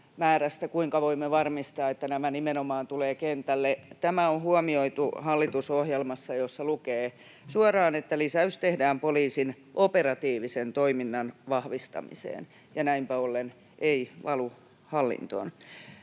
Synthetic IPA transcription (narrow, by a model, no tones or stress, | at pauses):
mæːræst̪ækuiŋkɑʋoimːeʋɑrmist̪ɑːet̪ːænæmænimenomɑːnt̪uleːkent̪ælːet̪æmæonhuɔmioit̪uhɑlːit̪usohjelmɑsːɑjosːɑlukeː | suɑrɑːnet̪ːælisæyst̪ehdæːmpoliːsin | ʔoperɑt̪iːʋisent̪oiminːɑnʋɑhʋist̪ɑ̰mḭsḛːn | jɑnæimpæolːen | ʔeiʋɑlu | hɑlːḭnt̪o̰n